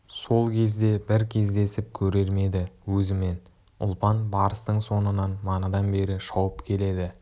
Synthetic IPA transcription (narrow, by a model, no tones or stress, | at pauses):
so̞lˠkʲʰe̞zd̪e̞bɪɾkʲʰe̞zd̪e̞sɪp̚kʲʰɵɾe̞ɾme̞d̪ɪwɵzɪme̞n | ʊ̰lˠpɑnbɑɾəst̪əɴso̞nənɑnmɑnɑd̪ɑnbe̞ɾɪʃɑwəpkʲʰe̞le̞d̪ɪ